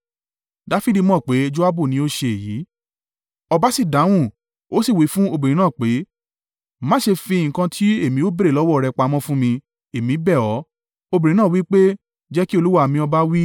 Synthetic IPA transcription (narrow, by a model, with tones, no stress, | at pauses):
da˨˦fi˦di˧mɔ̃˦˨k͡pe˨˦d͡ʒo˦a˦bu˦˨nĩ˨˦o˦ʃe˧˨e˨ji˨˦ | ɔ˧ba˦si˦˨da˨˦w̃ũ˦˨ | o˦si˦˨wi˨˦fũ˦o˧bĩ˨ɾĩ˨nãː˦˨k͡pe˨˦ | mã˦ʃe˧fĩ˧ŋ̩˨kã˧tʰi˦e˦˨mĩ˧˦o˦be˦ɾe˨lɔ˨˦wɔ˦˨ɾɛ˧k͡pa˧˦mɔ̃˦fũ˦mĩ˧ | e˨mĩ˨˦bɛ˦˨ɔ˨˦ | o˧bĩ˨ɾĩ˧ñã˦˨wi˦k͡pe˦ | d͡ʒɛ˦ki˦o˧lu˦wa˦˨mĩ˧ɔ˧ba˦wi˦